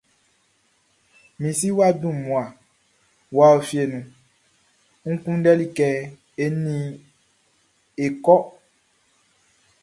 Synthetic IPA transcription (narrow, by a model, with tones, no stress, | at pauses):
mĩ˨si˦wa˦dũ˦˨mũ˨a˨ | wa˨o˨fi˨˦e˨nũ˨ | ŋũ˦kũ˦ɖɛ˦li˦kɛ˦ | e˦nĩ˦ | e˨kɔ˦